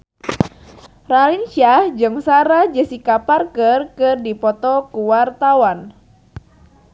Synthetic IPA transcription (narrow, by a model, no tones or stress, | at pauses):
ralinsiad͡ʒɨŋsaɾad͡ʒəsikaparkərkɨrdipɔt̪ɔkuwart̪awan